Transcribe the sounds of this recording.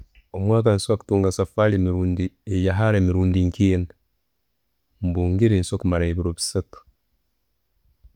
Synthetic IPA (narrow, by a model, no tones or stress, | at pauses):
omwakanswaktuŋɡasafalimiɾundiejaɦaɾemiɾundiŋkijen | mbuŋɡiɾinsokmaɾaibiɾobi̥set